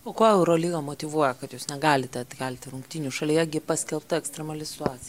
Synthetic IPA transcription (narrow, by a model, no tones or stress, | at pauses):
oːkoːɛʊɾoːlʲiːɡɐmoːt̪ʲɪʋuɔjɛkɐt̪juːsnʲɛɡɑːlʲɪt̪ʲɛt̪ʲkʲɛlʲt̪ʲɪɾʊŋkt̪ʲiːnʲuʃɐlʲiːjɛɡʲɪpɐsʲkʲɛlˠp̚t̪ɐɛkst̪ʲɾʲɛmɐlʲɪsʲɪ̥t̪ʊɑːt͡sʲɪ